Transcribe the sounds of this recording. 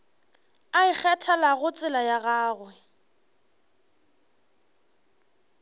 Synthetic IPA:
aɪk͡xʰɛtʰɛlaɣʊt͡sʼɪlajaɣaːɣwɛ

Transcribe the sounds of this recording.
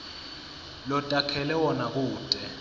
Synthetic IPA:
lɔtʼakʰɛlɛwɔnak̬uːtʼɛ

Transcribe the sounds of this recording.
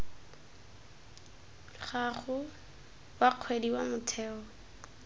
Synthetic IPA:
χaχʊ | waq͡χʰwediwamʊtʰɛːɔ

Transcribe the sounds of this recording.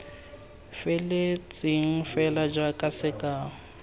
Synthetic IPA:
fɪlɪt͡sʼɪŋ̩fɛlad͡ʒwakʼasɪkʼaː

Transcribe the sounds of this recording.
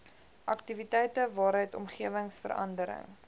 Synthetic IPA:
ʔɐktivitɛjtəvɑːɾɦəjtɔ̰mχiəvəŋsfə̰ɾɐ̰ndəɾə̰ŋ

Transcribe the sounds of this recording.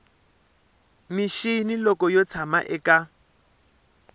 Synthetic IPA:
miʃinilɔkɔjɔt͡sʰama̰ʔɛka

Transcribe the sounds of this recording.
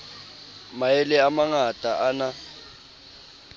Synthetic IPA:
maɛlɛamaŋatʼaʔana

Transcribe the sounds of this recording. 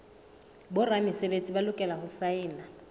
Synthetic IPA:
bʊramɪsebet͡sʼibalʊkʼɛlahʊsaɪːna

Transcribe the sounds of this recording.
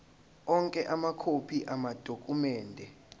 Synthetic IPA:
ɔŋkʼɛʔamakʰopʰiʔamad̥ʱokʼumɛːndʱɛ

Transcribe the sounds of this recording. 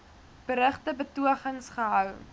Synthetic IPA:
b̥əɾəχtəbətuəχəŋsχəɦœw

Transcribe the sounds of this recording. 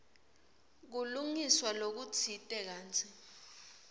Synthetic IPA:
k̬uluŋiswalok̬ut͡sʰitʼɛk̬aːnt͡sʰi

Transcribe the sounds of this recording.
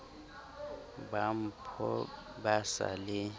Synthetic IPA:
bam̩pʰɔ | basa̰lɪ

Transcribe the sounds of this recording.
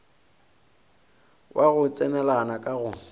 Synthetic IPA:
wʔaɣʊt͡sʼɛnɛlanakʼaɣʊ

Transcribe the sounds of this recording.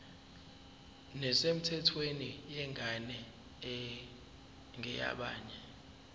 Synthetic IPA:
nɛsem̩tʰɛtʰwenijɛŋʱanɛ | ɛ | ŋʱɛja̰ɓa̰ːɲɛ

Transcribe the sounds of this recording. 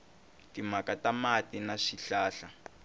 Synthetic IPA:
timakatamatinaʂiɬaːɬa

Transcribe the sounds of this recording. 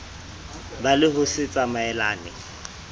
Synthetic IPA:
balɪɦʊsɪt͡sʼamaɛlaːnɪ

